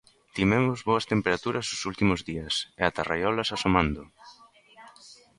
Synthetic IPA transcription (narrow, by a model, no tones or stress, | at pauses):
t̪imɛmʊzβoɐst̪empeɾat̪uɾɐsʊsult̪imʊzðiɐseat̪arajɔlɐsasomand̪ʊ